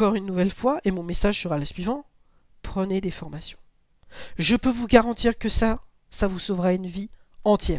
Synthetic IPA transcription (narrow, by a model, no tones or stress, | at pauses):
kɔʁynːuvɛlfwaʔemɔ̃mesaʒsəʁaləsɥivɑ̃ | pχəned̪efɔʁmasjɔ̃ | ʒəpøvuɡaʁɑ̃t̪iʁkəsa | savusovʁaynvi | ɑ̃t̪jɛːʁ